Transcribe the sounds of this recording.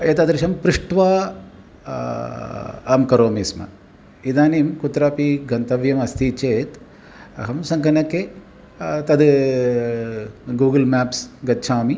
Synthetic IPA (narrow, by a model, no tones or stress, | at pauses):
eːt̪ɐd̪ɾiʃɐmpɾiʂʈʋaː | aːmkɐɾoːmismɐ̰ | id̪aːniːmkut̪ɾaːpiɡɐnt̪ɐʋjɐmɐst̪it͡ʃeːt̪ | ɐ̰ɦɐmsɐŋkɐnɐkːe | t̪ɐd̪ | ɡuːɡɐlmaːpsɡɐtːʃʰaːmi